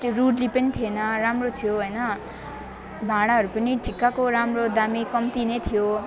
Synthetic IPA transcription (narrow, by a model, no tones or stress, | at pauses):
ruɽlipʌnit̪ʰienʌɾamrot̪ʰijoɦojnʌ | bʱaɽ̃aɦʌɾupʌniʈʰikːakoɾamrod̪amikʌmt̪inʌjt̪ʰijo